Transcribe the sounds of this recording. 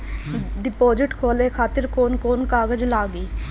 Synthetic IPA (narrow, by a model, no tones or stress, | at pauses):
ɖɪpoːd͡ʒɪʈkʰoːleːkʰaːt̪ɪɾkoːnkoːnkaːɡəd͡ʒlaːɡiː